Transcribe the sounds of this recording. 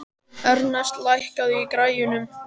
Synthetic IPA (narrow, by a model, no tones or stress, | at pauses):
œɾnast̪lajhkaðʏikɾaːjʏnʏm